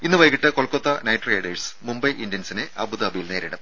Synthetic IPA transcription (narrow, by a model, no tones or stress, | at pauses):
inːɨʋɐjkːiʈːɨkoɭkːot̪ːɐnɐjʈreːɖɐsmumbɐjʔindjɐnsineʔɐ̰buðɐbɐjilneːɾiɽɐm